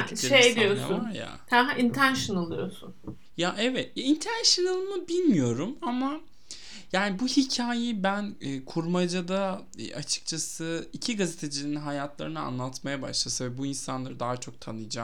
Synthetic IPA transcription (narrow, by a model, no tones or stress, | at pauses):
ʃejed̪ijosa̰ʊvnaɾja̰hɛint̪ʰænʃɯnɯlˠɯjo̞̰sṵn | jaʔɛvɛt̪jaint̪ʰænʃɯnɯlˠmɯbilʲmijo̞ɾumama | jaːnibuhicʰaːjibænːkʰuɾmad͡ʒad̪a̰ | ʔat͡ʃʰɯ̥k̚t͡ʃʰasɯicʰiɡazet̪ʰe̞d͡ʒilʲinɦajat̪lˠa̰ɾɯnɯa̰nlˠat̪majaba̰ʃlˠasavɛbuinsanlˠaɾɯd̪aɦat͡ʃʰo̞k̚t̪ʰanɯjd͡ʒaː